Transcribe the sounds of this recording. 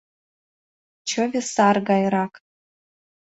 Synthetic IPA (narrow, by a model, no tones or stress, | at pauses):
t͡ʃʰɨvʲesarɡajɾakʼ